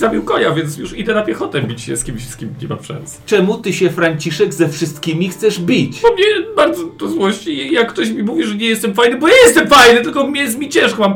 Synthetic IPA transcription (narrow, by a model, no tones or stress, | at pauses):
zabʲiwkɔjavʲjɛnsjuʂid̪ɛnapʲjɛxɔt̪ɛbʲit͡ɕɕɛ̰skʲimɕskʲimʲiɲɛba̰fʂɛ̰nsɛ̥t͡ʂɛmut̪ɘɕɛfɾaɲt͡ɕiʂɛɡzɛfʂɘst̪kʲimʲixt̪sɛʐbʲit͡ɕɔmɲɛbaɾd̪zɔt̪ɔzwɔɕt͡ɕijakːt̪ɔɕ̬mʲimuvʲiʐɛɲɛjɛst̪ɛmfajnɘbɔjajɛst̪ɛmfajnɘt̪ɘlkɔmʲɲɛs̬mʲit͡ɕɛ̃ʂkmam